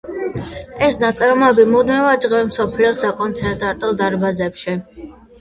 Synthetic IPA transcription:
ɛsnat̪sʼɛɾmɛbimɔd̪mivad͡ʒʁɛlmsɔpʰliɔsakʼɔnt̪sʰɛnt̪ʼaɾt̪ʼɔd̪aɾbazɛpʃi

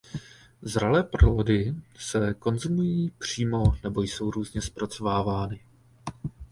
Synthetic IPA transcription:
zɾalɛːpɾoodɪsɛko̞nzumujiːpr̝̥iːmo̞nɛbo̞jso̞wɾuːzɲɛspɾat͡so̞vaːvaːnɪ

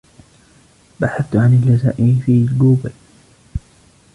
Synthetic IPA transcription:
baħaθt̪ʕanɪlːaza̰ːʔɪfiːluːbal

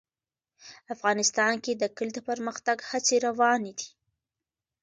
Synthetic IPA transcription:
afɣɑnɪst̪ɑnked̪əkəld̪əpəɾməxt̪aɡhat͡seɾawɑned̪i̥

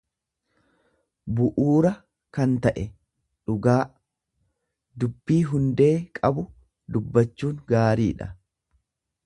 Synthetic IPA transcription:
bʊʔuːɾɐ | kɐnt̪ɐʔɛ | ᶑʊɡaː | d̪ʊbːiːɦʊnd̪eːkʼɐbʊ | d̪ʊbːɐt͡ʃːuːŋɡaːɾiːᶑɐ

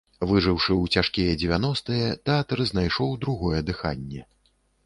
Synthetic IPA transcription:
vɨʐɨwʂɨwt͡sʲaʂkʲijɛd͡zʲɛvʲanɔst̪ɨjɛt̪ɛat̪ɐɾɨznajʂɔwd̪ɾuɣɔjɛd̪ɨxa̰nʲːɛ

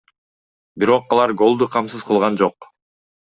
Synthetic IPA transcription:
biɾo̞qɑlˠɑɾɡo̞lˠd̪uqʰɑmsɯz̥qʰɯlˠʁɑnd͡ʒo̞q

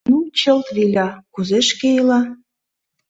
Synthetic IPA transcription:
ut͡ɕə̆lt̪βilʲɑkuzeʃkeilɑ

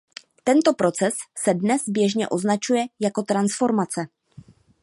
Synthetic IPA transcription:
t̪ɛnt̪o̞pɾo̞t͡sɛsːɛdnɛsbjɛʒɲɛ̰ʔo̞znat͡ʃujɛjako̞t̪ɾansfo̞ɾmat͡sɛ

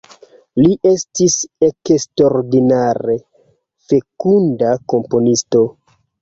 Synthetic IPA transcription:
liʔe̞stisekstoɾdinaɾe̞ | fe̞kundako̞mpo̞nisto̞

